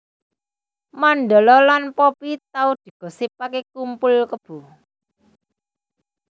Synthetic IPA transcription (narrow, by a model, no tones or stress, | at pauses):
manɖ̪əlɔlanpɔpit̪̚aud̪̥i̤ɡ̥ɔ̤sipakekumpʊlkəb̥ṳ